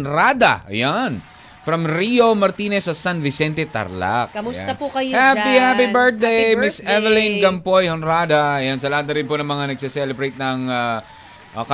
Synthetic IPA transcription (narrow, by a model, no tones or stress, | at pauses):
nɾad̪ɐ̰ʔɐ̰jan | fɾɐmɾio̞mɐɾt̪iːnɛsɐfsãnvɪsɛnt̪ɛt̪ɐ̰ɾla̰kɐʊsɐpukɐjhapihapibɛɹt̪̚d̪ejmɪsɛvɛlinɡɐmpojhonɾaːd̪ɐɐjansɐlaːd̪ɐɾɪnpʊnɐŋmɐŋanɐɡ̚sɛsɛlɛbɾejt̪̚nɐŋa | ʔk